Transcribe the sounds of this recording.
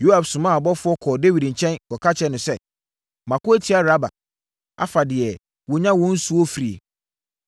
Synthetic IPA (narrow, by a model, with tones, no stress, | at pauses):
jo˦ha˨fsʊ̃˨mã˦a˨bɔ˦fʊ˦ɔ˦kʰɔː˨de˦wi˨dɲ̩˨t͡ɕʰɛ̃˦nkɔ˨kʰa˦t͡ɕʰɛ˦nʊ̃˨sɛ˦˨ | mã˨kʊ˦æ˦tʰi˨˦a˦ɾa˦ba̰˨ | a̰˨˦fa˨dɪ˨ɛ˨ | wɔ˨ɲã˦wɔ̃˦n̩˦su˨˦o˦fi˨ɾi˨ḛ˨